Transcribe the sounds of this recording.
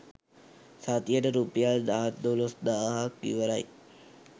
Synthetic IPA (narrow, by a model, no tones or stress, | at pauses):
sat̪ijəʈəɾupejald̪aɦat̪d̪olosd̪aɦakːḭʋəɾaj